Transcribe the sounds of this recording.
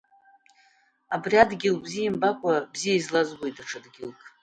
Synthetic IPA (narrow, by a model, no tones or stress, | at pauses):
abriadɡʲɪlbzijimbakʷʼabzijaizlazɡoitʰʼaʈ͡ʂʰadɡʲɪlkʼ